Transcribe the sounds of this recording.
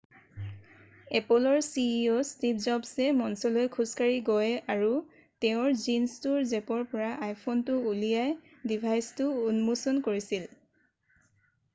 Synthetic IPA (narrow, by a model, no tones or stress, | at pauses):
ɛpɔlɔɹsiostipʰzɔbsɛmɔnsɔlojkʰuskaɹiɡɔjaɹu | tɛʊ̃ɹzinstuɹzɛpɔɹpɔɹaʔajpʰɔntʊulijaj | dibʱajstʊːnmusɔnkoɹisil